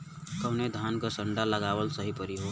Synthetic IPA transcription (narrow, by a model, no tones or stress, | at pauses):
kəwned̪ʱankəsəɳɖaləɡaʋəlsəɦipəɾiɦo